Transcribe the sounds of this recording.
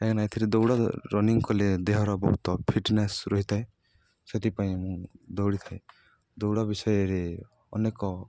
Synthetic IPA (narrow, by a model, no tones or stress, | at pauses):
eknajt̪ʰiɾed̪ɔwɽɔɾɔniŋkɔled̪eɦɔɾɔbɔ̰ɦut̪ɔpʰiʈnesɾɔɦit̪ʰae | set̪ipaĩmũd̪ɔwɽit̪ʰae | d̪owɽabisɔjɔɾe | ɔnekɔ